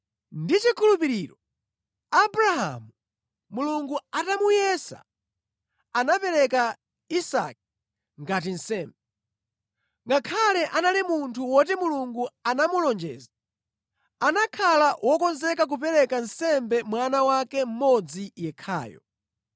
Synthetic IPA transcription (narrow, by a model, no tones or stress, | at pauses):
ndit͡ʃikʰulupiɾiːɾɔ | abɾaɦa̰mu | muluŋɡuatamujɛsa̰ | anapɛɾɛka | isa̰k̚i̥ | ŋɡat̬in̩sɛːmbɛ | ŋɡakʰalɛʔanalimuntʰuwɔtɛmuluŋɡuanamulɔnd͡ʒɛ̰ːza | anakʰalawʔɔkɔnzɛkak̬upɛɾɛkan̩sɛmbɛmwanawakɛm̩mɔd͡zijɛkʰa̰ːjɔ̰